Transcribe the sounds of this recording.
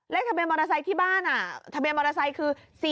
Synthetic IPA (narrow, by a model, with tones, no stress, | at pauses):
lɛ˦˥kt̪ʰa˧bi˧ənmɔː˧ɾa˧s̬a˧jt̪ʰiː˥˩baː˥˩nʔa˨˩t̪ʰa˧bi˧ənmɔː˧ɾa˧sa˧jkʰɯː˧si˨˩